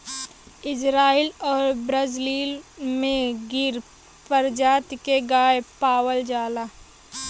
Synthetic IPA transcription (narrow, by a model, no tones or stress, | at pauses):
ɪd͡ʒɾaːilɔːɾbɾəd͡ʒliːlmẽɡɪɾ | pəɾd͡ʒaːt̪keɡaːepaːwəld͡ʒaːlaː